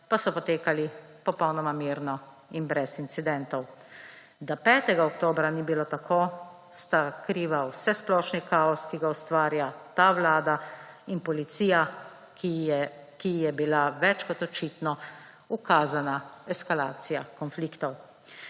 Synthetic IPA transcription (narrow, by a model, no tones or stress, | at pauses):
pasɔpɔt̪eːkalipɔpɔwnɔmamiɾnɔ | inbɾɛsint̪sid̪ɛnt̪ɔw | d̪apɛːt̪ɛɡaɔkt̪oːbɾanibiloːt̪akʰo | st̪akɾiːʋawsɛsplɔʃnikaːɔskiɡaɔst̪ʋaːɾjat̪aʋlaːd̪ainpɔlit̪siːja | kijɛbilaʋɛt͡ʃkɔt̪ɔt͡ʃiːt̪nɔ | ukaːzanaɛskalaːt̪sijakɔnflikt̪ɔw